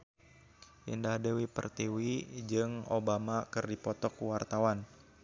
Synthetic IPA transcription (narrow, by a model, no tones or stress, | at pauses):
ʔḭndahdewipə̰rt̪iwid͡ʒɨŋo̰bamakɨrdipɔt̪ɔkuwart̪awan